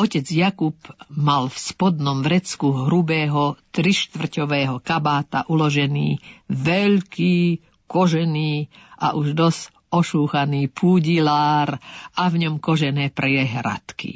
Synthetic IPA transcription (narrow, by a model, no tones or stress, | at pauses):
ɔcɛd͡zjakubmalfspɔd̪nɔmʋɾɛt͡skuɦɾubɛːɦɔt̪ɾiʃt̪ʋr̩cɔʋɛːɦɔkabaːt̪a̰ʔulɔʒɛnḭːʋɛʎkiː | kɔʒɛniːʔa̰ʔuʒd̪ɔs | ɔʃuːxaniːpʰuːɟilaːɾavɲɔmkɔʒɛnɛːpɾɛjɛɦɾa̰t̪kḭ